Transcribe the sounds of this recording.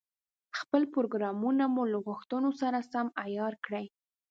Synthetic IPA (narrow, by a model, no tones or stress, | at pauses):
xpəlpoɾoɡɾɑmunamulaɣʊxt̪ənosaɾasamajɑɾkɽəj